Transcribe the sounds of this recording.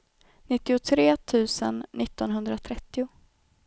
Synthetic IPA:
nɪt̪ːɪʊt̪ʰɾeːt̪ʰʉ̟ːsə̰nːɪt̪ːɔnɦɵnd̪ɾat̪ʰɾɛt̪ːɪʊ

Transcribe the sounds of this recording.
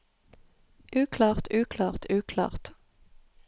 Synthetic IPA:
ʔʉːkʰlɑːʁt̪ʰʉːkʰlɑːʁt̪ʉːkʰlɑ̰ːʁt̪

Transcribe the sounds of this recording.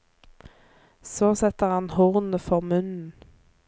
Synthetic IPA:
soːsɛt̪əʁhɑnhʊʁnəfɔʁmʉnn̩

